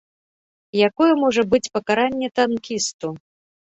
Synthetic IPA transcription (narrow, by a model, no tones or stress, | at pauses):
jakɔjɛmɔʐɐbɨt͡sʲpɐkaɾanʲːɛt̪ankʲist̪u